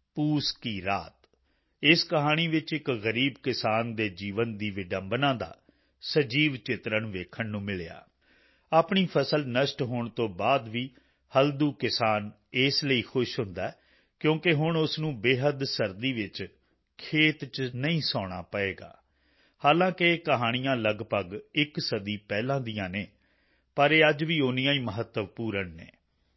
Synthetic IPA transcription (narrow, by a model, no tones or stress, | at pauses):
puːskiːɾa̰ːt̪ | ɪskəɦaːɽ̃iːʋɪt͡ʃɪkɣəɾiːbkɪsaːnd̪eːd͡ʒiːʋənd̪iːʋɪɖə̃mbənãːd̪a̰ː | səd͡ʒiːʋt͡ʃɪt̪ɾəɳʋeːkʰənːũːmɪlja̰ː | aːpɳiːpʰəsəlnəʃʈɦoːɳt̪õːbaːd̪ʋiː | həld̪uːkɪsaːn | ɪːsləiːxʰʊʃɦʊnd̪aːɛ | kjõːkeɦʊɳʊsnũːbeːɦəd̪səɾd̪iːʋɪt͡ʃ | kʰeːt̪t͡ʃnəĩːsaːɽ̃aːpəeːɡa̰ː | haːlãːkɪːkəɦaːɽ̃ɪjãːləɡpəɡɪksəd̪iːpɛːlãːd̪ɪjãːneː | pəɾeːəd͡ʒʋiːonijãːiːməɦət̪ːəʋpuːɾəɳːḛː